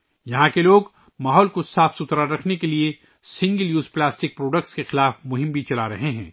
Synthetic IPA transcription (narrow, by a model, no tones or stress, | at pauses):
jɐɦãkeloːɡ | maːɦɔːlkosaːfsʊt̪ɾaɾɐkʰnekelie | sɪ̃ŋɡəljuːzplaːsʈɪk̚pɾoːɖəkʈskexɪlaːfmʊɦɪ̃mbʱit͡ʃɐlaɾɐɦẽɦɛ̰̃ː